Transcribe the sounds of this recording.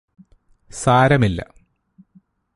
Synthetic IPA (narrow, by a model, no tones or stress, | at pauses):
saːɾɐmilːɐ̰